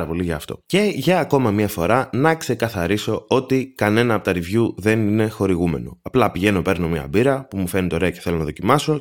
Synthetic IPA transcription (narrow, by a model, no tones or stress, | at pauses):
ɾɐpo̞liʝɐːft̪o̞̰ce̞ʝɐːko̞mɐmɲɐfo̞ɾɐnɐkse̞kɐθɐɾiso̞ot̪ikɐne̞nɐpot̪ɐɾivʝuðe̞nine̞xo̞ɾiɣume̞̰no̞̰ɐplɐpiʝe̞no̞pe̞ɾno̞mɲɐ̰biɾɐpumufe̞ɾnit̪o̞ɾe̞ɐceθelo̞nɐðo̞cimɐso̞